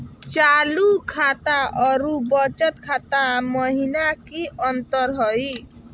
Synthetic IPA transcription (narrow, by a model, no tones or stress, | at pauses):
t͡ʃalukʰat̪aʔɔɾubʌt͡ʃʌt̪kʰat̪amʌɦinakiʔʌnt̪ʌɾɦɔj